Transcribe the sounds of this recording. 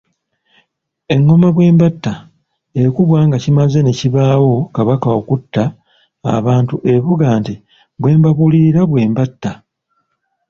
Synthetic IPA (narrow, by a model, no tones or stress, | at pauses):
e̞ŋːo̞maβwe̞ːmbatːa | ekuβwaːŋɡacimaze̞neciβaːwo̞kaβakaokutːa̰ː | βaːntuʔe̞βuɡaːnti | βwe̞ːmbaβuliɾaβwe̞ːmbatːa